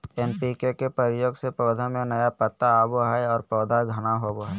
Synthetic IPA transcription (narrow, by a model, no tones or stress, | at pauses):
eːnpikekepəɾɪjoɡsepɾɔːd̪ʱamẽnəjapət̪ːaaboɦɛɔːɾpɔːd̪ʱaɡʱənaɦoboɦɛ